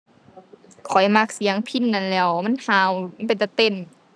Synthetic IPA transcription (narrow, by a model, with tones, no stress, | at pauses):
kʰɔ˨˩jma˧k̚si˨˦əŋpʰi˧˥˨nːa˧˩˨nlɛː˧˩˨wma˧˥˨nhaː˧˩˨wpa˨˩nt̪a˧˩t̪e˧˥˨n